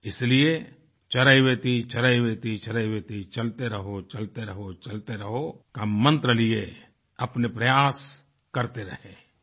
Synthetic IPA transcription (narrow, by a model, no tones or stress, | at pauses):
ɪslie | t͡ʃɐɾaiweːt̪it͡ʃɐɾaiweːt̪it͡ʃɐɾajweːt̪it͡ʃɐlt̪eɾɐɦot͡ʃɐlt̪eɾɐɦot͡ʃɐlt̪eɾɐɦokamə̃nt̪ɾəlie | ɐpnepɾɐjaːs | kɐɾt̪eɾɐɦeː